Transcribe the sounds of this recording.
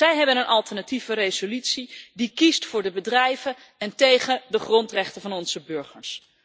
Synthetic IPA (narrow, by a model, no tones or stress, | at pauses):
ɛjɦɛbənənʔɑlˠtɛɹnativərejzolytsidikistfʊːɹdəbədrɛjvə | ɛntejχədəχrɔntrɛχtəvɑnɔnz̥əbɵɹχəɹs